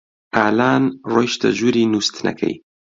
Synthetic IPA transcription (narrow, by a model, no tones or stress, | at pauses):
aːlaːnrojʃt̪ɐʒuɾiːnust̪nɐ̰kʰɐ̰j